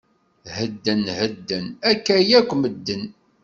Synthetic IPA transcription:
həd̪ːənhəd̪ːənækːæjækʷːməd̪ːən

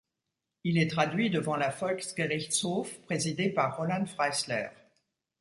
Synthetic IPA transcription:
ilɛt̪χad̪ɥid̪əvɑ̃lafɔlksɡeʁit̪sofpχezid̪epaʁːɔlɑ̃nfʁajslɛ̰ʁ

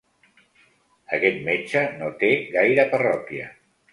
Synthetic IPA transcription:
əkɛt̪met͡ʃənot̪eɣajɾəpərɔkiə̰

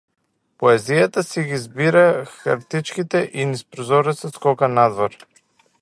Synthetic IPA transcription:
pɔɛzijat̪asiɡizbiɾaxa̰ɾt̪it͡ʃkit̪ɛʔinispɾɔzɔɾɛsɛskɔkanad̪vɔɾ

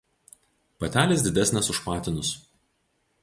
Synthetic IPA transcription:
pɐt̪ʲæːlʲeːs̬ʲd̪ʲɪd̪ʲæsʲnʲɛsʊʃpɑːt̪ʲɪnʊs

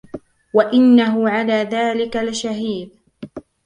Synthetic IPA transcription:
waʔɪnːaɦʊʕalaːðaːlɪkalɪʃaɦiːb

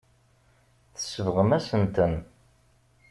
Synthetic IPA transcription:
θə̥səvʁəmæsənt̪ən

